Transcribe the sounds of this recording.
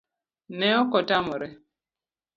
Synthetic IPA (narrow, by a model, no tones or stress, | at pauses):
nɛɔkɔtamʊɾɛ